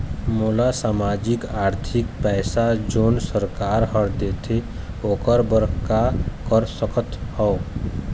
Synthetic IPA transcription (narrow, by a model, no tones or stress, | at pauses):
molasaːmaːd͡ʒɪkaːɾt̪ʰɪkpɛːsad͡ʒoːnsəɾkaːɾɦəɾd̪et̪ʰe | oːkəɾbəɾkakəɾsəkʰət̪hɔo